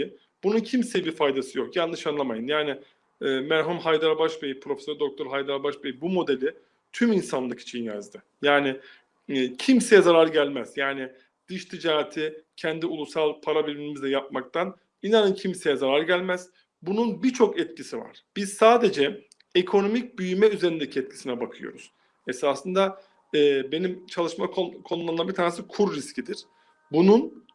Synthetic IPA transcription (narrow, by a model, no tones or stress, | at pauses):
b̥ununcʰimsejibiɾfajd̪asɯjo̞kjalnːɯʃanlˠamajɯnjaːnɪ | ɛːmæɾɦumɦajd̪aɾbaʃbejipʰɾo̞fesøɾd̪o̞k̚t̪ʰo̞ɾɦajd̪aɾbaʃbejibumo̞d̪e̞lʲɪ | t̪ʰyminsanlˠɯkʰi̥t͡ʃʰijinja̰zd̪ɯ | jaːnɪː | cʰimse̞jɛzaɾaɾɟælʲmæz̥jaːnɪ | d̪̥ɯʃt̪ʰid͡ʒaːat̪ʰɪcʰɛnd̪iulˠusalˠpʰaɾabiɾimizd̪ʲɛjap̚mak̚t̪ʰan | inanɯncʰimse̞jɛzaɾaɾɟælʲmæz̥ | bununbit͡ʃʰo̞kɛt̪̚cʰisiva̰ɾ̥b̥iz̥saːd̪e̞d͡ʒɛ | ekʰo̞no̞mic̚byjymɛyze̞ɾind̪ecʰiɛt̪̚cʰi̥sinɛbakʰɯjo̞̰ɾuz̥ | ɛsaːsɯnd̪a | ɛːbe̞nimt͡ʃʰalˠɯʃmakʰokʰo̞nulˠamnabit̪ʰaːnesɯkʰuɾːiscʰid̪iɾ̥ | bunun